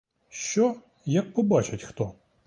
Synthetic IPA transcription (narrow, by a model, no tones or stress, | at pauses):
ʃt͡ʃɔ | jɐk̚pɔbat͡ʃɪtʲxt̪ɔ